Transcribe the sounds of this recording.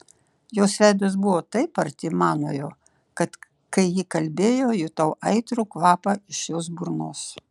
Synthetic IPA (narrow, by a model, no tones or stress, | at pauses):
joːsʋʲæˑɪd̪os̬bʊʋoːt̪ɐɪpɐɾʲt̪ʲɪmɑːnoːjoː | kɐt̪ | kɐɪjiːkɐlʲbʲeːjoːjʊt̪ɐʊʔɐɪt̪ɾʊːkʋɑːpɐɪʃjoːs̬bʊɾnoːs